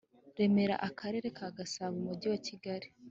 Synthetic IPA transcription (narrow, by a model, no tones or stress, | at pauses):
ɾe̞me̞ɾa̰ʔakʰaɾe̞ːɾe̞kaɡasaβumuɟiwaciɡaɾi